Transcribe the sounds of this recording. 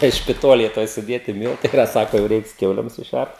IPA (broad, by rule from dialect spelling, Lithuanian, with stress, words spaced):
tɐɪ ʃʲpʲɪˈtoːlʲeːj ˈtoːj sʊˈdʲeːtʲɪ ˈmʲiːlˠtɐɪ ɪˈrɐ ˈsɑːkoː jɛʊ ˈrʲɛɪks ˈkʲɛʊlʲeːm sʊˈʃʲært